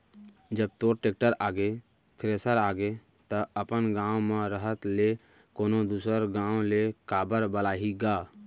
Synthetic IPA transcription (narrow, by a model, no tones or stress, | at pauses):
d͡ʒəb̚t̪oːɾʈeːk̚ʈəɾaːɡe | t̪ʰɾesəɾaːɡe | t̪əəpənɡãːwmẽɾəɦət̪le | koːnod̪uːsəɾɡãːwõlekaːbəɾbəlaːɦiɡaː